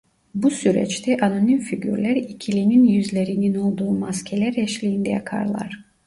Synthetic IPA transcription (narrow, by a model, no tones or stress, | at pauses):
busyɾɛ̰t͡ʃt̪ʰɛʔanonimfiɟy̰ɾlʲæɾicʰilʲininjyzlʲeɾinino̞lˠd̪uːumascʲʰelʲæɾɛʃlʲijːnd̪ɛjakʰɑ̰ɾlˠa̰ɾ̥